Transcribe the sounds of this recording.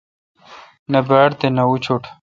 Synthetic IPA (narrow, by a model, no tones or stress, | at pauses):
nɐbaːɽt̪enɐut͡ɕʰoʈ